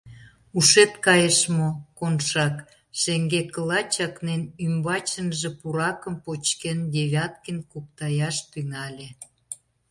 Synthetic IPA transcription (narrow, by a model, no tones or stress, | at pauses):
uʃet̪kɑjəʃmokonʃɑk | ʃeŋɡekəlɑt͡ɕɑknenymbɑt͡ɕə̆nʒĕpuɾɑkəmpot͡ɕkend̪ʲeβʲɑt̪̚kinkup̚t̪ɑjɑʃt̪yŋɑlʲe